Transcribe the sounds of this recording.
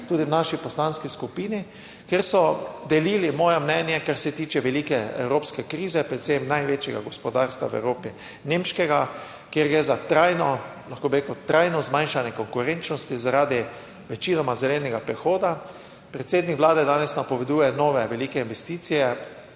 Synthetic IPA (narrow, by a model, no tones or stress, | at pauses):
t̪uːd̪iwnaʃipɔslanskiskupiːni | kjeɾsɔd̪ɛliːlimɔːjɛmnɛnjɛkaɾsɛt̪iːt͡ʃɛʋɛlikɛɛ̰wɾoːpskɛkɾiːzɛpɾɛt̪semnajʋet͡ʃjɛɡa̰ɡɔspɔd̪aɾst̪ʋa̰wɛ̰wɾoːpi | nemʃkɛɡa | kjeɾɡɾɛzat̪ɾajnɔlaxkoːbiɾekuwt̪ɾajnɔzmãjnʃanjɛkɔŋkuɾent͡ʃnɔst̪izaɾaːd̪i | ʋɛt͡ʃiːnɔmazɛlɛnɛɡapɾɛxoːd̪a | pɾɛt̪seːd̪nikʋlaːd̪ɛd̪aːnɛsnapɔʋɛd̪uːjɛnɔːʋɛʋɛliːkɛinʋɛst̪iːt̪sijɛ